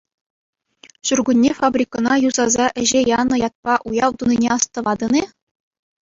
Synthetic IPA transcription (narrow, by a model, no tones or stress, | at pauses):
ɕurɡunʲːefɑbrʲikɤ̆nɑjuzɑzɑʔɘ̆ʑejɑnɤ̆jɑt̪̚pɑʔujɑʋt̪uninʲeɑst̪ɤ̆ʋɑd̪ɤ̆ne